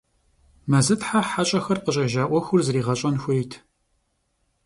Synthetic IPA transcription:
mɐzɨtħaħaɕʼɐxɐrqəɕʼɐʒaːʔʷɔxʷʊrzɨriːʁɐɕʼɐnxʷʊjtʰ

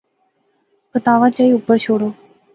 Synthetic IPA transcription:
kət̪aːʋãːt͡ʃaːiːʊpːəɾt͡ʃʰoːɽoː

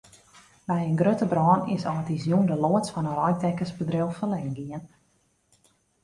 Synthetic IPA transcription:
bɛjənɡrøtəbrɔːnɪ̰sɔətizjundəloətsfɔnərɔj̚tɛkəsbədrɪlˠfəlɛːŋɡiən

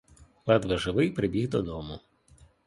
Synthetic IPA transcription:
ʋad̪ʋɐʒɪʋɪjpɾɪbʲiɣd̪ɔd̪ɔmʊ

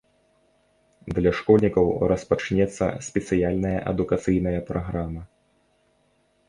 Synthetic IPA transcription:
d̪lʲɐʂkɔlʲnʲikɐwɾɐspat͡ʂnʲɛt̪sːɐ̰sʲpʲɛt̪sɨjalʲnɐjɐ̰ʔɐ̰d̪ukat̪sɨjnɐjɐpɾaɣɾamɐ

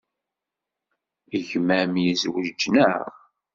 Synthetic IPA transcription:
əʝmæmjizwəd͡ʒːnəʁ

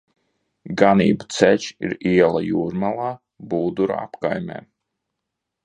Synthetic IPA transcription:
ɡanḭːbu̥t̪sɛt͡ʃḭɾiɛlˠajuːɾmalˠaː | buːd̪uɾ̰a̰pkajmʲɛ̰ː

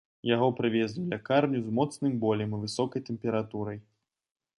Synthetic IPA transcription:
jaɣɔpɾɨvʲɛzd̪ʲuwlʲakarnʲuzmɔt̪snɨmbɔlʲɛmivɨsɔkɐjt̪ɛmpʲɛɾat̪uɾɐj

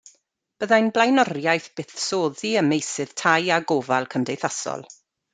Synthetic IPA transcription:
b̥əðajnblˠajnɔrjajθb̥ɪθsoːðiəmejsɨð̥tʰajaɡoːvalˠkʰəmdejθasɔ̰lˠ

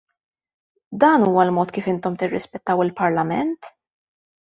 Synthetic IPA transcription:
d̪ɐːnuːwɐlmɔːt̪kiːfɪnt̪ɔmt̪ɪrːɪspɛt̪ːɐwɪlpɐɾlɐmɛnt̪

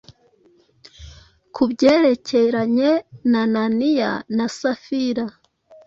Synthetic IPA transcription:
kʰubɟe̞ːɾe̞ceɾaɲenananija̰nasafiɾa

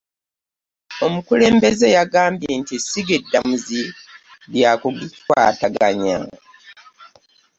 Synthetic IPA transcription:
o̞mukule̞ːmbe̞ze̞jaɡaːmbjentisiɡedːamuziɾjaːkoɡitwa̰ːtaɡaɲa̰

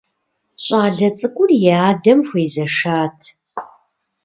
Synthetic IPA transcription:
ɕʼaːɮɐt͡sʼɨkʷʼʊrjɛaːdɐmxʷiːzɐʂaːtʰ

